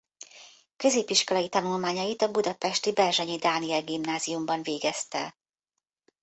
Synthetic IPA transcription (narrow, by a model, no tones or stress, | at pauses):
køzeːpiʃko̞lɒjit̪ɒnulmaːɲɒjit̪ɒbud̪ɒpɛʃt̪ibɛrʒɛɲid̪aːniɛlɡimnaːzijumbɒnveːɡɛst̪ɛ